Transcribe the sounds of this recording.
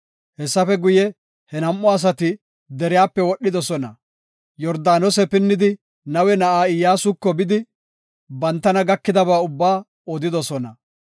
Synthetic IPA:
hɛsːɐfɛɡʊjɛ | hɛnɐmʔːɔɐs̬ɐt̪ɪ | d̪ɛɾɪjaːpːɛwɔɗːɪd̪ɔsɔnɐ | jɔɾd̪aːnɔsɛpɪnːɪd̪ɪ | nɐwɛnɐʔaːɪjːaːsʊkːɔbɪd̪ɪ | bɐnt̪ːɐnɐɡɐkːɪd̪ɐbaːʊbːaː | ɔd̪ɪd̪ɔsɔnɐ

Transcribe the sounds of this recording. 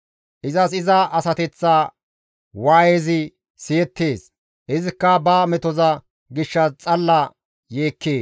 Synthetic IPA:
ʔɪzɐsɪzɐʔɐsɐt̪ɛt͡sːaː | waːjeːzɪ | sɪjɛt̪ːeːs | hɪzɪkːɐbɐmɛt̪ɔzɐ | ɡɪʃːɐt͡sʼɐlːɐ | je̞ːkːeː

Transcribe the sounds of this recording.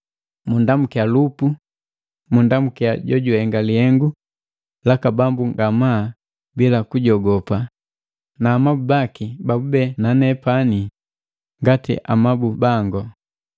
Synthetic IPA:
mundamukialupu | mundamukiaɟɔɟuhɛŋɡalihɛŋɡu | lakabambuŋɡama | bilakuɟɔɡɔpa | naːmabubakibabubɛnanɛpani | ŋɡatḭʔa̰mabubaŋɡɔ

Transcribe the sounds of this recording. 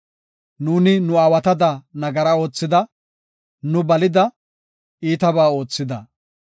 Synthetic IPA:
nuːnɪnʊaːwɐt̪ɐd̪ɐnɐɡɐɾɐo̞ːt͡sːɪd̪ɐ | nʊbɐlɪd̪ɐ | iːt̪ɐbaːo̞ːt͡sːɪd̪ɐ

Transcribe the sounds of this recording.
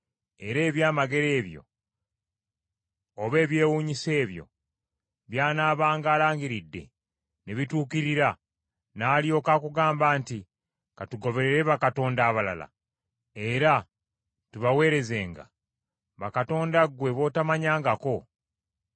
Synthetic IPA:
e̞ɾe̞ːβjaːmaɡe̞ɾe̞ːβjo̞̰ | oβe̞ːβje̞ːwuːɲise̞ːβjo̞̰ | βjaːnaːβaːŋɡaːlaːɲɡiɾidːe̞̰ | neβituːkiɾiɾa | naːlio̞ːkaːkuɡaːmbaːnti | katuɡo̞βe̞ɾeɾe̞βakato̞ːndaːβala̰la̰ | e̞ɾa | tuβawe̞ːɾe̞ze̞ːŋɡa̰ | βakato̞ːndaɡwe̞βo̞tamaɲaːŋɡako̞

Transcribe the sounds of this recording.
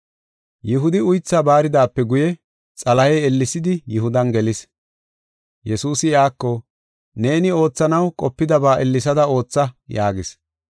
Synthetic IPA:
jɪɦʊd̪ɪʊjt͡sːaːbaːɾɪd̪aːpːɛɡʊjɛ | t͡sʼɐlɐjɛɛlːɪsɪd̪ɪjʊhʊd̪ɐnɡɛlɪs | jɛsuːsɪjaːkːɔ | ne̞ːnɪo̞ːt͡sːɐnɐwkʼɔpːɪd̪ɐbaːʔɛlːɪs̬ɐd̪ɐo̞ːt͡sːɐjaːɡɪs

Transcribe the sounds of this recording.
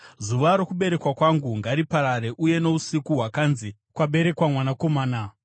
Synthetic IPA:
zuʋaɾo̞kuɓe̞ɾe̞kwakwaŋɡuŋɡaɾipaɾaɾe̞ʔuje̞no̞usikuɦwakaːnzi | kwaɓe̞ɾe̞kwamwanako̞maːna

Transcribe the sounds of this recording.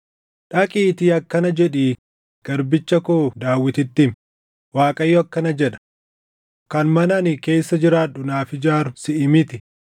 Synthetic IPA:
ᶑɐkʼiːt̪iːɐkːɐnɐd͡ʒɛᶑiː | ɡ̥ɐɾbɪt͡ʃːɐkoːd̪aːwːɪt̪ɪt̪ːɪm | waːkʼɐjːɔɐkːɐnɐd͡ʒɛᶑɐ̥ | kɐnmɐnɐnɪke̞ːsːɐd͡ʒɪɾaːᶑʊnaːfɪd͡ʒaːɾʊsɪʔɪmɪt̪ɪ

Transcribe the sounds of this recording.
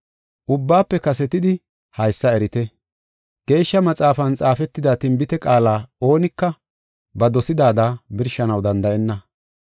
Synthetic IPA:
ʔʊbːaːpːɛkɐsɛt̪ɪd̪ɪ | hɐjsːɐɛɾɪt̪ɛ | ɡ̥e̞ːʃːɐmɐt͡sʼaːfɐnt͡sʼaːfɛt̪ːɪd̪aːt̪ɪmbɪt̪ɛkʼaːlaːo̞ːnɪkːɐ | bɐd̪ɔsɪd̪aːd̪abɪɾʃɐnɐwd̪ɐnd̪ɐʔɛnːɐ

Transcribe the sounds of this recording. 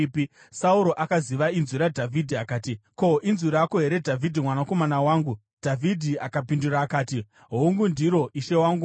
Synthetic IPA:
pi | sauɾo̞ʔakaziʋainzuɾadʱavʱidʱiakaːtiko̞ʔinzuɾakoɦe̞ɾe̞dʱavʱidʱimwanako̞manawaːŋɡu | d̥ʱavʱidʱiakapinduraːkaːti | ɦouŋɡundiɾo̞ʔiʃe̞waːŋɡu

